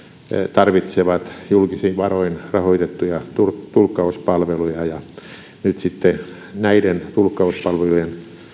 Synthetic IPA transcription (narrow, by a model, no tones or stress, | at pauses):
t̪ɑrʋit̪seʋɑt̪julkisiːʋʋɑroinrɑhoit̪et̪ːujɑt̪urt̪ulkːɑuspɑlʋelujɑjɑ | nyt̪sit̪ːe | næident̪ulkːɑuspɑlʋelujen